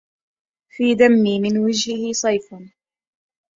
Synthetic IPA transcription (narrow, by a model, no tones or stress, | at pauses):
fiːd̪amːiːmɪnwad͡ʒhɪhɪsˤɑjfn